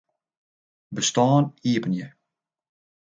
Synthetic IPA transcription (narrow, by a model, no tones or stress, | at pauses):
bəstɑːniəpənjə